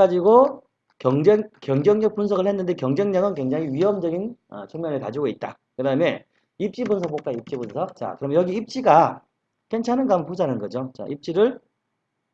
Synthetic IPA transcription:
ad͡ʑiɡo | kjʌŋd͡ʑeŋkjʌŋd͡ʑʌŋɲʌk̚p͈unsʰʌɡɯɭhenːɯnde̞kjʌŋd͡ʑʌŋɲʌŋɯnkwe̞ŋd͡ʑaŋiɥiɦʌmd͡ʑʌɡinʌ̰t͡ɕʰuŋmjʌnɯɭkad͡ʑiɡoit̚t͈a̰ | kɯdaɯme̞ | ip̚t͡ɕ͈ibunsʰʌk̚pok͈aip̚t͡ɕ͈ibunsʰʌk̚t͡ɕa̰kɯɾʌmejʌɡiːp̚t͡ɕ͈iɡa | ke̞nt͡ɕʰanɯnɡʌampʰud͡ʑanɯnɡʌd͡ʑot͡ɕa̰ʔip̚t͡ɕ͈iɾɯɭ

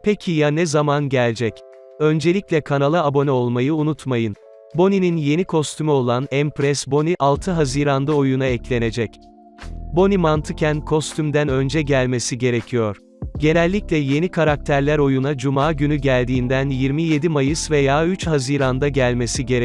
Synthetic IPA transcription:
pʰecʰijanɛzamanɟælʲd͡ʒɛc | ø̞nd͡ʒe̞lʲiclʲɛkʰanalˠɯːbo̞nɛo̞lˠmajɯunut̪majɯn | bo̞nininje̞nikʰo̞st̪ʰymyo̞lˠanɛmpɾɛsbo̞niʔalˠt̪ʰɯɦaziːɾand̪ao̞junaɛclʲe̞ne̞d͡ʒɛc | bo̞nimant̪ʰɯcʰænkʰo̞st̪ʰymd̪ænø̞nd͡ʒɛɟælʲme̞siɟe̞ɾe̞cʰijo̞ɾ̥ | ɟe̞nɛlʲːiclʲɛje̞nikʰaɾak̚t̪ʰæɾlʲæɾo̞junad͡ʒumaːɟynyɟælʲd̪iːnd̪ænjiɾmije̞d̪imajɯsvejaːyt͡ʃhaziːɾand̪aɟælʲme̞siɟe̞ɾ

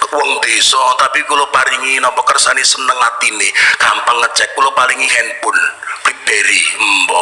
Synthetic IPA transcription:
wɔŋd̪esɔt̪apikulopaɾiŋinɔmpɔkərsanisənəŋat̪inekampaŋːət͡ʃɛk̚ːulopaliŋiɦɛnpʊnpibeɾimbɔ

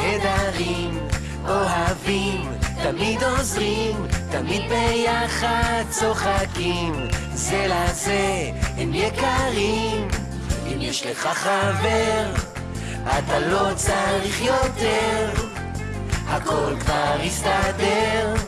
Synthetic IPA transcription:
ed̪aʁim | ʔo̞ɦavim | t̪amid̪o̞zʁimt̪amid̪̚bejaχad̪̚t͡so̞χakim | zelazeɛmjekaʁim | imjɛʃleχaχaveʁ | at̪alo̞t͡saʁiχjo̞t̪eʁ | hako̞lkvaʁhist̪ad̪eʁ

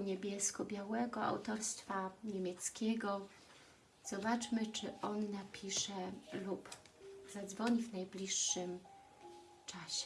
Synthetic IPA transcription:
ɲebʲjɛskɔbʲjawɛɡɔa̰wt̪ɔɾst̪faɲemʲjɛt̪skʲɛɡɔ | z̥ɔbat͡ʂmɘt͡ʂɘʔɔnːapʲʰiʂɛlup | z̥ad̪zvɔɲivnajblʲiʂːɘm | t͡ʂaɕɛ

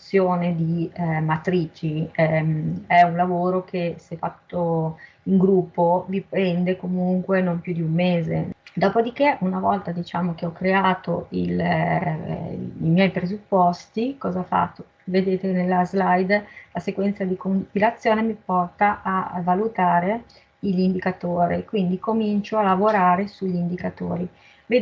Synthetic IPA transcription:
sːjoːned̪imat̪ɾiːt͡ʃimɛunlavoːɾokʰesefat̪ːo | iŋɡɾupːovipɾɛnd̪ekomuŋkwenompjud̪iumːeːzḛd̪ɔːpod̪ik̟eʔunavɔlt̪ad̪it͡ʃaːmok̟eɔkːɾeaːt̪o̰ḭl | imjɛjpɾezupːɔst̪ikɔːzafa̰t̪ːo | ved̪eːt̪enelːazlajd̪lasekwɛnt̪sad̪ikompilat̪sːjoːnemipɔrt̪aʔavalut̪aːɾe | iʎind̪ikat̪oːɾikwind̪ikomint͡ʃoalavoɾaːɾesuʎːind̪ikat̪o̰ːɾi | ve

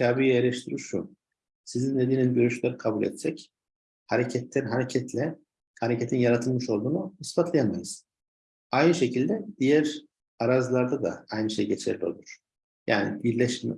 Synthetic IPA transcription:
cʰaːbijieɾʲɛʃt̪ʰiɾiɾʃu | sizinːed̪inizɟøɾyʃlʲæɾikʰabulʲḛt̪̚t͡ʃɛc | haɾecʰɛt̪lɛnɦaɾecʰɛt̪ʰlʲɛ | haɾecʰet̪ʰinjaɾat̪ʰɯlˠmɯʃo̞lˠd̪uːnunɯsbat̪lˠajanmajɯz̥ | ajnɯʃe̞cʰilʲd̪ɛd̪̥ijæɾ | aɾazlˠaɾd̪ad̪a̰ajnɯʃejɟe̞t͡ʃʰɛɾlʲio̞̰lˠuɾ̥ | ja̰ːnḭbiɾlʲɛʃm̰

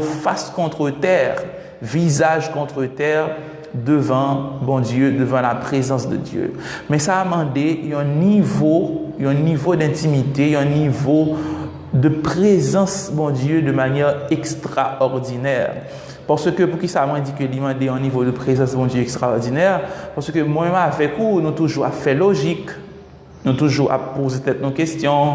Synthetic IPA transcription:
faskɔ̃t̪χət̪ɛːʁ | vizaʒkɔ̃t̪χət̪ɛːʁ | d̪əvɑ̃bɔ̃d̪jød̪əvɑ̃lapχezɑ̃sd̪ə̰d̪jø̰mɛsaːmɑ̃d̪eɛ̃nivoɛ̃nivod̪ɛ̃t̪imit̪eɛ̃nivo | d̪əpχezɑ̃sbɔ̃d̪jød̪əmanjɛʁɛkst̪ʁaɔʁd̪inɛʁ | paʁsəkøpuʁkʲisamwɛ̃d̪ikəlimɑ̃d̪eɛ̃nivod̪əpχezɑ̃sbɔ̃d̪jøɛkst̪ʁaɔʁd̪inɛʁpaʁsəkəmwɛ̃mɛ̃mavɛkunũt̪uʒuʁa̰fɛloʒik | nũt̪uʒuʁa̰pozepət̪ɛt̪nokest̪jɔ̃

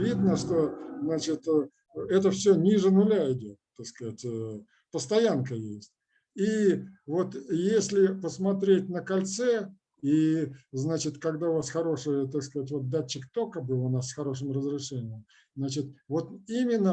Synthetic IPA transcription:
vʲid̪nəʂt̪o̞znat͡ɕɪt̪ | ɛt̪əfsʲɵnʲiʐɨnʊlʲaɪdʲot̪̚t̪ːakskɐatʲ | pəst̪ɐjankəjesʲtʲ | ivo̞t̪jesʲlʲɪpəsmɐt̪ɾʲetʲnəkɐlʲt̪sɛ | iznat͡ɕɪt̪kɐɡd̪aʊvasxɐɾo̞ʂɨjət̪akskɐzatʲvo̞t̪̚d̪at͡ɕːɪkt̪o̞kəbɨlˠʊnasxɐɾo̞ʂ̬ɨmrəzɾʲɪʂɛnʲɪjəm | znat͡ɕɪt̪vo̞t̪imʲɪnːə

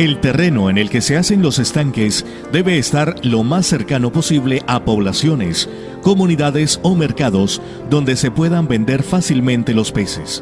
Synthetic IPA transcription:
e̞lt̪e̞re̞no̞ene̞lke̞se̞ase̞nlo̞se̞st̪aŋke̞s | d̪e̞βe̞ːst̪aɾlo̞masːe̞ɾkano̞po̞siβle̞ʔapo̞βlasjo̞ne̞s | ko̞muniðaðe̞so̞me̞ɾkaðo̞z | d̪o̞nd̪e̞se̞pwe̞ðambe̞nd̪e̞ɾfasilmẽnt̪e̞lo̞spe̞se̞s

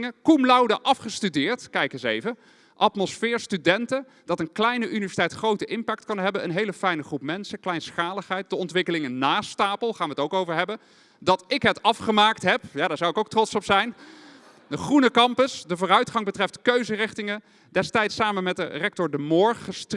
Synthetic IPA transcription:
ŋəkumlɑwdəʔɑfχəstydɪːɹtkɛjkənsejvə | ʔɑtmɔsfɪːɹstydɛntə | d̥ɑtənklɛjnəʔynivɛsi̥tɛjtχrowtəʔɪmpɛk̚tkɑnɦɛbənə̰nɦejləfɛjnəχrupmɛnsəklɛjnsχaːləχɦɛjt̚dəɔntʋɪkəlɪŋənaːstaːpəlˠχaːnʋəətowkowvəɹɦɛbən | dɑtɪkɦətɑfχəmaːktɦɛpjaːdaːɹzɑwɪkowk̚trɔtsɔpsɛjn | dəχrunəkɑmpəsdəvʊːrœɥtχɑŋbətrɛftkøɥzərɪχtɪŋə | dɛstɛjtsaːmənmɛt̚də̰rɛk̚tɔɹdəmɔːɹχəst

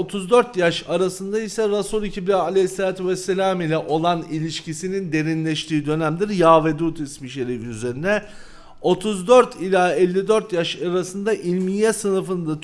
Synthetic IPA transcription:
ot̪ʰuzd̪øɾt̪jaʃaɾasɯnd̪aisɛɾasuːlʲˠicʰiblʲalʲɛselʲaːt̪ʰyvɛsːelʲaːmilʲɛʔo̞lˠanilʲiʃcisinind̪e̞ɾinlʲɛʃt̪ʰiːd̪ø̞næmd̪iɾjaːved̪uːt̪ʰismiʃeɾifyze̞ɾinɛ | o̞t̪ʰuzd̪øɾt̪ʰilʲaɛlʲːid̪øɾt̪jaʃaɾasɯnd̪aʔilʲmijɛsɯnɯfɯnd̪a

